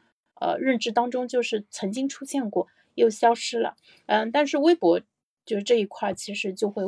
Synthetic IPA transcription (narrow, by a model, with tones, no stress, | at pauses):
ə̰˧ɻə˥˩nʈ͡ʂɻ̩˥˩t̪ɑ˥ŋʈ͡ʂʊ˥ŋt͡ɕjo˥˧ʊʂɻ̩˥˩t͡sʰɤ˧˥ŋt͡ɕi˥ŋʈ͡ʂʰu˥ɕjɛ˥˧nkwɔ˥˩ | jo˥˩ʊɕjɑ˥ʊʂɻ̩˥lə̰˨ | ə˥˧t̪a˥˧nʂɻ̩˥˩we˥ɪpwɔ˧˥ | t͡ɕjo˥˧ʂɻ̩˥˧ʈ͡ʂɤ˥˧i˧˩kʰwa˥˩t͡ɕʰi˧˥ʂɻ̩˧˥t͡ɕjo˥˧ʊxwe˥˧ɪ